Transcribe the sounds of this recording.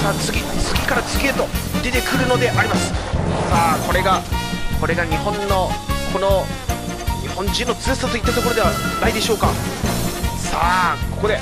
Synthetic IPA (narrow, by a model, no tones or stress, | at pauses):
ɾat͡sɨɡʲit͡sɨɡʲikaɾat͡sɨɡʲiet̪o̞d̪e̞t̪e̞kɯ̟ɾɯ̟no̞d̪e̞ʔaɾʲimasɨ̥saːko̞ɾe̞ɡakʰo̞ɾe̞ɡaɲ̟ihõ̞nːo̞kʰo̞no̞ | ɲ̟ihõ̞ɲd͡ʑĩnːo̞t͡sɨːsat̪o̞it̪ːat̪o̞ko̞ɾod̪e̞βanaid̪e̞ɕo̞ːka | saːkokod̪e̞